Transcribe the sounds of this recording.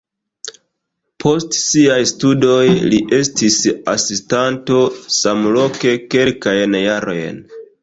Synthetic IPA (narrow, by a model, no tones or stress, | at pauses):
pʰo̞stsiajstudo̞jliʔe̞stisa̰sistanto̞samlo̞ke̞ke̞lkajnjaɾo̞̰jn